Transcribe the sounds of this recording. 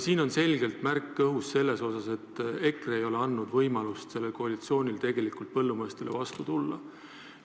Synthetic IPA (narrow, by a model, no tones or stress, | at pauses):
siːno̞nse̞lʲɡe̞lt̪mærkːɤɦusːe̞lːe̞so̞sɑse̞t̪ːˑe̞kreejo̞le̞ɑnːud̪̥vɤjmɑlust̪se̞lːe̞lkoɑlit̪sio̞ːnʲilt̪e̞ɡ̥e̞likːˑult̪̚pɤ̞lːumɤest̪e̞le̞̰vɑst̪ut̪ulːɑ̰